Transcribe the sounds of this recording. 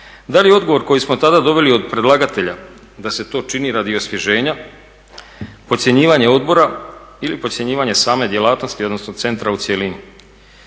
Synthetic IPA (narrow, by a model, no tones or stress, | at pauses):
d̪alijeo̞d̪ɡo̞ʋo̞ɾko̞jismot̪ad̪ad̪o̞ʋe̞lio̞d̪̚pɾe̞d̪lˠaɡat̪e̞ʎa | d̪ase̞t̪o̞ːt͡ʃiniɾad̪io̞sʋje̞ʒe̞ːɲa | pot̪sʲje̞ɲiːʋaɲe̞o̞d̪bo̞ɾailipot̪sje̞ɲiːʋaɲe̞saːme̞d̪je̞laːt̪no̞st̪io̞d̪nosnot̪se̞nt̪ɾaut̪sjelini